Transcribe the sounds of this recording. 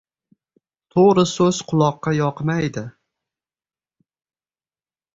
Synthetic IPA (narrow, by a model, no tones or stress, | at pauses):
t̪ʰoɾɨsɵz̥qʰʊlˠɒqːɑjɒqmajd̪ɪ